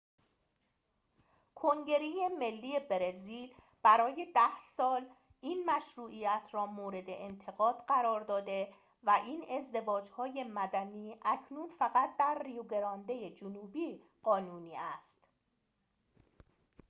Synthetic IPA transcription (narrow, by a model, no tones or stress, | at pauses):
kʰoŋɟe̞ɾejeme̞lːiːje̞beɾeziːl | b̥æɾɒːje̞d̪æhsɒːl | iːnmæʃɾuːʔijæt̪ʰɾɒːmoːɾe̞d̪e̞̰ʔent̪ʰe̞ɣɒːd̪̥ɢæɾɒːɾd̪ɒːd̪e̞ | væʔiːne̞zd̪e̞vɒːd͡ʒhɒːje̞mæd̪æniːʔæcʰnuːnfæɣæt̪̚ʰd̪æɾːijuɡe̞ɾɒːnd̪e̞je̞d͡ʒonuːbiː | ɢ̥ɒːnuːniːæst̪